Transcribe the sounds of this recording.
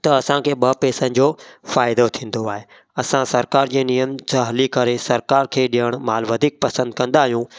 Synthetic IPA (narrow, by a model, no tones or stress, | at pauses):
t̪ɐɐsãkʰeːɓɐpeːsənɪ̆d͡ʑoːfaːɪd̪ot̪ʰĩːn̆d̪oaːɦe | ɐsãsɐɾkaːɾd͡ʑeːnijəmd͡ʑɐɦlikɐɾesɐɾkaːɾkʰeːɗiəɽ̃maːlʋɐd̪ʱiːk̚pɐsə̃nd̪̚kɐ̃nd̪aːɦijũ